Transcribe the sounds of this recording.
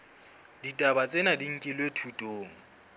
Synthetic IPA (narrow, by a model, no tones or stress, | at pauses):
ditʼabat͡sʼenadiŋ̩kʼilwetʰutʼoːŋ̩